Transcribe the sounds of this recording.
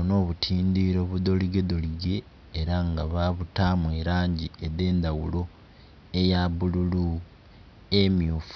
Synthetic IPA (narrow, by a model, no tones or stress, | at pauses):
no̞ːβutʰiːnd̪iɾo̞ːβudo̞liɡe̞d̪o̞liɡe̞ː | ɾaŋɡaβaβutamweːɾaːɲɟieðe̞ːnd̪awulo̞ | ejaβululu | emjuːf